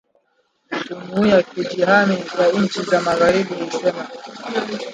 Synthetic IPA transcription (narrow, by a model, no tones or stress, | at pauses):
d͡ʒumhujakid͡ʒiɦanizaɲn̩t͡ʃizamaɣaɾiɓuhisɛma